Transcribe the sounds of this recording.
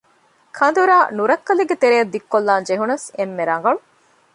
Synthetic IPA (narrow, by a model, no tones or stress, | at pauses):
kʰɐnd̪uɾaːnuɾɐkːɐleɡet̪eɾejɐd̪ːikːolːaːnd͡ʒeɦunɐsemːeɾɐŋ̆ɡɐɭu